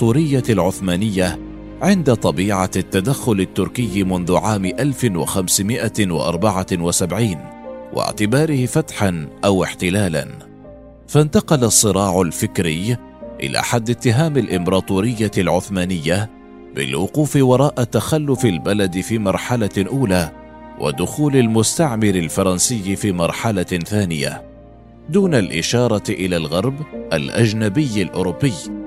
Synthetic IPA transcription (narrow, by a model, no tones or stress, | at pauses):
t̪ˤuːɾɪjːalʕʊθmaːnɪjːa | ʕɪnd̪at̪ˤɑbiːʕat̪ːad̪axːʊlat̪ːʊɾkɪjːmʊnðʊʕaːmɪʔalfɪwa̰xamsɪmɪʔawɪ̰ʔɑ̰ɾˤbɑʕawasabʕiːnwʔɪ̰ʕt̪ɪbɑːɾɪhɪfat̪ħanʔawɪħt̪ɪlaːla̰n | fant̪ɑqɑlasˤːɨɾˤɑːʕʊlfɪkɾɪj | ʔɪ̰la̰ːħad̪ːɪt̪ːɪɦaːmalʔɪmbɑɾˤɑːt̪ˤuːɾɪjːalʕʊθmaːnɪjːa | bɪ̰lwʊquːfɪwɑɾˤɑːʔat̪ːaxalːʊfɪlbalad̪ɪfiːmɑɾˤħalaʔuːlaː | wʔa̰d̪ʊxuːlalmʊst̪aʕmɪɾɪlfɑɾˤɑnsɪjːfiːmɑɾˤħalaθaːnɪja̰ | d̪uːnalʔɪʃɑːɾˤɑʔɪlaːlɣɑɾˤbʔalʔad͡ʒnabɪjːɪlʔʊ̰ɾʊbːɪj